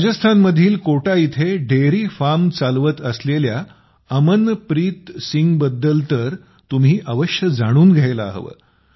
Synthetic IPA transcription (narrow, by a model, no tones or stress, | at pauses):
ɾad͡ʑəst̪ʰanməd̪ʱiːlkoʈait̪ʰeɖeɾiːfamt͡salʋət̪əslelja | əmənpɾiːt̪siŋɡbəd̪ːəlt̪əɾ | t̪um̤iːʔəʋəɕjəd͡zaɽ̃uːnɡʱajlaːɦʋə̰